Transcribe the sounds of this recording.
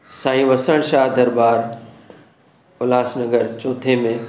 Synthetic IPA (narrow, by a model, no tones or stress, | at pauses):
sãːĩʋɐsəɽ̃ʃaːɦd̪ɐɾbaːɾ | ʊlaːsnɐɡəɾt͡ʃoːt̪ʰemẽ